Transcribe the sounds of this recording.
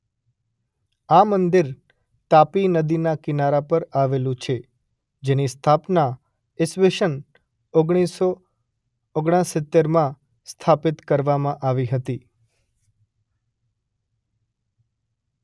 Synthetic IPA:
amənd̪iɾ | t̪apinəd̪inakɪnaɾapəɾaʋelũt͡ʃʰe | d͡ʒenist̪ʰapna | ɪsʋeʃən | oɡɽ̃iso | oɡɽ̃ãsɪt̪ːeɾmã | st̪ʰapɪt̪kəɾʋamãʔaʋiɦət̪i

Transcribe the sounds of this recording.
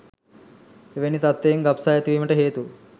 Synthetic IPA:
eʋenit̪ɐt̪ːejŋɡɐpsaːjɐt̪iʋiːmɐʈəɦeːt̪u

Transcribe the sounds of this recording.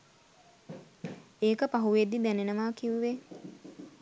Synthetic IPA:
eːkəpaɦuʋed̪id̪ænenəʋaːkiʋʋe

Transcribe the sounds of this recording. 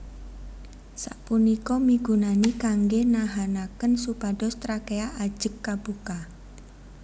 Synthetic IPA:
sa̰ʔpunikɔmiɡ̥ṳnanikaŋɡenaɦanakənsupaɖɔst̪ɾakeaʔḁʒ̥ə̤kːab̥uka

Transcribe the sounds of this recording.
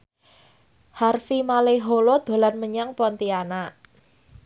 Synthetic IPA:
harfimaleɦolod̪̥o̤lanməɲaŋpɔnt̪ianaʔ

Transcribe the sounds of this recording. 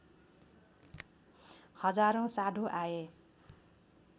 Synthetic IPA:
hʌd͡zaɾõsaɖʱõʔaje

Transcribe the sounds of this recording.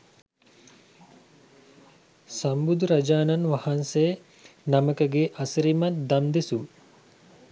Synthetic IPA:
sambud̪uɾɐd͡ʒaːnanʋahansej | naməkəɡeʔasəɾimat̪̚d̪amd̪esu

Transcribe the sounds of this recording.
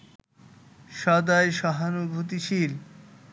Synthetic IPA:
ʃɔd̪aeʃɔɦanubʱut̪iʃil

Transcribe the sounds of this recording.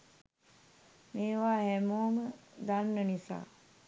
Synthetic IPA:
meːʋaːhɛmoːməd̪anːənisa̰ː

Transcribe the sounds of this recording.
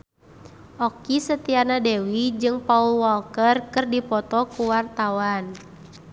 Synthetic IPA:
ʔɔkisət̪ianadɛwid͡ʒɨŋpaulwɔlkərkərdipɔt̪ɔkuwart̪awan

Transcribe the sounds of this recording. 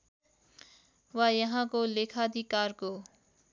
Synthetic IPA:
wajʌɦãkolekʰad̪ʱikaːɾko

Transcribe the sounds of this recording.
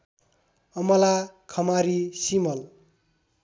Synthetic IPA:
ʌmʌlakʰʌmaɾisimʌl

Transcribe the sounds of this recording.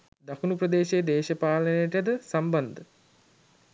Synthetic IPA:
d̪akunuprəd̪eːʃeːd̪eːʃəpaːlənejəʈjed̪əsamband̪ə

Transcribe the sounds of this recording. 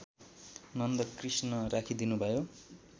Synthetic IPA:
nʌnd̪ʌkrisnʌrakʰid̪inubʱʌjo

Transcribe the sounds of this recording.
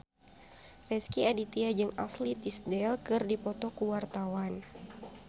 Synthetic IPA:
rɛskiadit̪iad͡ʒɨŋa̰slit̪isdɛlkɨrdipɔt̪ɔkuwart̪awan

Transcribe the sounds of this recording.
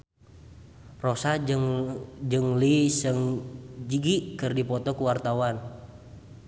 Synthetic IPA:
rosa | d͡ʒɨŋlisəŋd͡ʒiɡikɨrdipɔt̪ɔkuwart̪awan

